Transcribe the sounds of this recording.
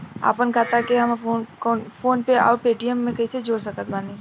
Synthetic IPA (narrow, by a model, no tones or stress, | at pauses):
a̰ːpənkʰaːt̪akeɦɐmfoːnkɔːnfoːnpea̰ːpeːʈijəmːẽkɐised͡ʒoːɽsɐkət̪̚baːni